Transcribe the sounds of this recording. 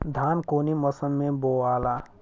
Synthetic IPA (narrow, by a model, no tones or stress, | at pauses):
d̪ʱaːnkoːniməsənmẽboːaːlaː